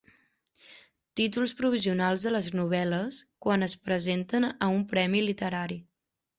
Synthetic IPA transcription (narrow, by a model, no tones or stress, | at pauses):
t̪it̪ulˠspɾuβ̞iziunalˠzðələznuβ̞ɛləskwanəspɾəzent̪ənəumpɾɛmilit̪əɾaɾi